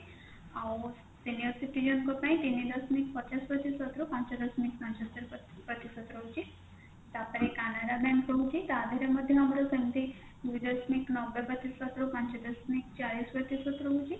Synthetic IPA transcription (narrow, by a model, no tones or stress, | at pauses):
ao | sinijəɾsiʈid͡ʒənkopãĩt̪inid̪əsmikpət͡ʃaspət̪isət̪ɾopãɲt͡ʃod̪əsmik̚pãɲt͡ʃət̪ːeɾp | pət̪isət̪ɾoɦut͡ʃi | t̪apəɾekanaɾabɛ̃ŋkpəɦut͡ʃit̪ad̪ʱaɾjaməd̪ʱjəamɾasəmt̪i | d̪ud̪əsmiknɔbepət̪isʋət̪ɾopãɲt͡ʃod̪əsmik̚t͡ʃalisʋət̪isət̪ɾoɦut͡ʃi